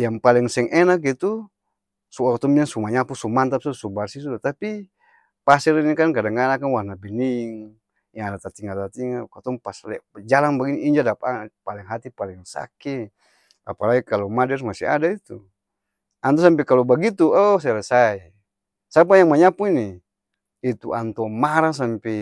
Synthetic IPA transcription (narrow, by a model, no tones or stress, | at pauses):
jaŋpalɛŋsɛŋʔɛnak̬it̪u | suakat̪ɔmbiaŋsumaɲapusumant̪ap̚susubarsisut̪api | pasɛɾinikankadaŋanakanwanabiniŋ | jaŋadat̪at̪iŋat̪at̪iŋakat̪ɔŋpaslɛd͡ʒalaŋbaɡiniːɲd͡ʒadapapalɛŋɦat̪ipalɛŋsa̰kɛ | a̰palaɡikalɔmadɛrmasia̰dait̪u | ant̪ɔs̬amp̬ɛkalɔbaɡit̪uɔsalɛsai | sap̬ajaŋmaɲapuini | it̪ṵʔa̰nt̪ɔmaɾas̬ampɛ